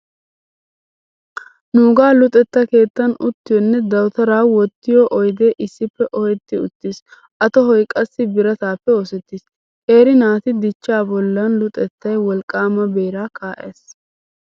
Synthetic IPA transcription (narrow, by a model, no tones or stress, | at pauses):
nuːɡaːlʊt̪ʼɛt̪ːɐke̞ːt̪ːɐnʊt̪ːɪjɔnːɛd̪ɐwt̪ɐɾaːwɔt̪ːɪjɔʔɔjd̪eːʔɪsːɪpːɛʔɔjɛt̪ːɪʊt̪ːis | ʔɐt̪ɔɦɔjkʼɐsːɪbɪɾɐt̪aːpːɛoːsɛt̪ːis | heːɾɪnaːt̪ɪd̪ɪt͡ʃːaːbɔlːɐnlʊt̪ʼɛt̪ːɐjwɔlkʼːaːmɐbe̞ːɾaːkaːʔḛːs